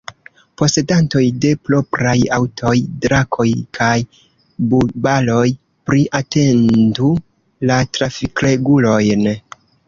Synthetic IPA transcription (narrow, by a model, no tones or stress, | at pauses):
po̞se̞danto̞jde̞plo̞pɾajawtʰo̞jdɾakʰo̞jkʰaj | bubalo̞j | pɾiʔate̞ndu | latɾafikle̞ɡulo̞jn